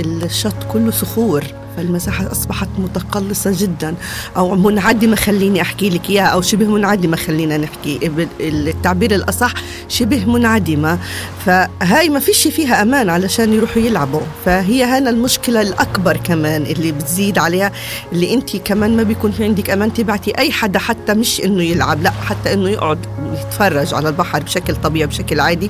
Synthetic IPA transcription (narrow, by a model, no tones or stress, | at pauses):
ɪlʃːɑt̪ˤːkʊlːʊsʊxuːɾ | falmasaːħaʔɑsˤbɑħɑt̪mʊt̪ɑqɑlːɨsˤɑʒɪd̪ːan | ʔawmʊnʕad̪ːɪmaxalːiːniʔaħkilɪkjaːaʔawʃɪbhmʊnʕad̪ɪmaxalːiːnanɪħkiʔbɪt̪ːaʕbiːɾɪlʔɑsˤɑħ | ʃɪbhmʊnʕad̪ɪmafaɦaːjmafiːʃiːfiːɦaʔamaːnʕalaʃaːnjɾuːħjɪlʕabʊfaɦɪjːaɦaːnalmʊʃkɪlalʔakbɑɾˤkamaːnʔɪlːibɪt̪ziːd̪ʕaleːha | ʔɪlːiʔɪnt̪ʰikamaːnmabjkuːnfiʕɪnd̪ɪkʔamaːnt̪ɪbaʕt̪iʔajːħad̪aħat̪ːamɪʃʔɪnːʊjɪlʕa̰blaʔħat̪ːaʔɪnːʊjɪʔʕʊd̪jɪt̪fɑrˤːɑʒʕa̰lalbaħɾˤbʃaklt̪ˤɑbiːʕibʃaklʕaːd̪i